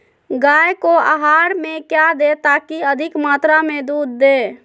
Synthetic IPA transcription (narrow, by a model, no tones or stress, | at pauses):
ɡaːjkoa̰ɦaːɾmẽkjad̪et̪aːkiəd̪ʱɪkmaːt̪ɾamẽd̪uːd̪ːeː